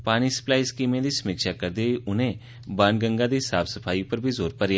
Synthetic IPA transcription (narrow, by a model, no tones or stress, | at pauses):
paːñiːsə̥plaːiːskiːmẽd̪iːsəmɪkʃaːkəɾd̪eːʔʊnẽː | baːnɡəŋɡaːd̪iːsaːbsəpʰaːiːpəɾbʱiːzoːɾpəɾja